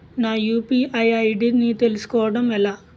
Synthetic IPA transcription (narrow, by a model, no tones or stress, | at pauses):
naːjuːpiːʔɐjɐjɖinit̪e̞lusu̥kɔːʋɐɽɐmɛlaː